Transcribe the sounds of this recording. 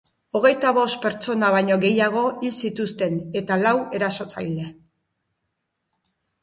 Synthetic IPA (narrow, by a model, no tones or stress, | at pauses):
o̞ɣ̞e̞jt̪aβo̞st̪̚pe̞ɾt͡ʃo̞naβ̞ajɲo̞ɣe̞jaɣ̞o̞ʔilsit̪ust̪e̞ne̞t̪alawe̞ɾaso̞t͡sa̰jle̞